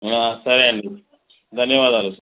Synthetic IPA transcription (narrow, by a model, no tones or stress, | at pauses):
asɐɾeɐɳ | d̪ʱɐnjɐʋaːd̪aːlus